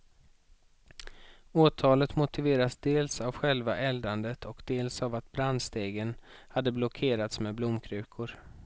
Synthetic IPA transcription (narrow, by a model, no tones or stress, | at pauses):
oːt̪ʰɑːlət̪mʊt̪ɪveːɾasd̪eːlsavɧɛlvaʔɛld̪and̪ət̪ʰɔkd̪eːlsavat̪̚bɾand̪st̪eːɡən | had̪ːəblɔkʰeːɾat̪smeːblʊmkʰɾʉ̟ːkʰʊɾ